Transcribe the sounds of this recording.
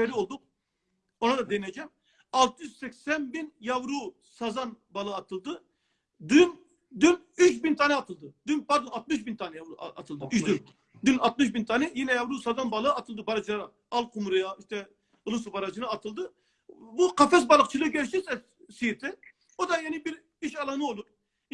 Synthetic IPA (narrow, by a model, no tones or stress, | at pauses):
eɾiolˠd̪uq̚ | onad̪ad̪enɛd͡ʒɛm | ɑlˠt̪ʰɯjyzsɛkʲsɛnbinjavɾu | sazanbalˠɯːt̪ʰɯlˠd̪ɯ | d̪yn | d̪yn | yt͡ʃbint̪ʰanɛɑt̪ʰɯlˠd̪ɯd̪ynpaɾd̪onɑt̪mɯʃbint̪ʰanɛjaa̰t̪ʰɯlˠd̪ɯyt͡ʃd̪y | d̪ynɑt̪̚mɯʃ̬bint̪ʰanɛjinɛjɑvɾusɑzanbalˠɯɑt̪ʰɯlˠd̪ɯbɑɾad͡ʒlˠaɾa | ɑlˠqʰumuɾejaiʃt̪ʰɛ | ulˠusubaɾad͡ʒɯnɯɑt̪ʰɯlˠd̪ɯ | buqɑfɛs̬bɑlˠɯχt͡ʃʰɯlˠɯɡʲɛlʃisɛ | sijet̪ʰɛ | od̪ɑjanibiɾ | iʃɑlˠanɯolˠuɾ